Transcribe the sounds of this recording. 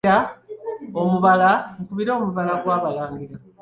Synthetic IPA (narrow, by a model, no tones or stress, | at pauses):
a | omuβalaŋkuβiɾo̞ːmuβalaɡwaːβalaːŋɡiɾa